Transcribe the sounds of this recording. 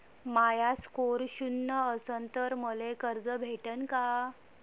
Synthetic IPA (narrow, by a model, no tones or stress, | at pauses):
majaskoɾɕunːəəsənt̪əɾməlekəɾd͡zəbʱeʈənka